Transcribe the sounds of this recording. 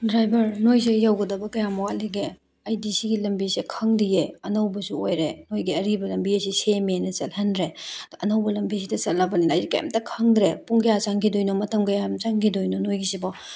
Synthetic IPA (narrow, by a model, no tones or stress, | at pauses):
dɾajbɐɾnojs̬ijawɡɐdɐbɐkɐjamɔwaliɡe | ɐjdisiɡilɐmbisekʰɐŋdijeɐnɐwbɐsuojɾenojɡiɐɾibɐlɐmbiɐs̬isemienɐt͡ʃɐlhendɾedʔɐnɐwbɐlɐmbis̬idɐt͡ʃɐlːabɐlinːjdikɐja̰mtɐkʰɐŋdɾepuŋkɐjat͡ʃaŋkʰidojnomɐtʰɐmkɐjamt͡ʃaŋkʰidojnonojɡisibɔ